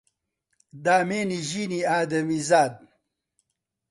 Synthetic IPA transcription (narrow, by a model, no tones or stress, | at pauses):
d̪aːmeːniʑiniaːd̪ɐmizaːd̪̚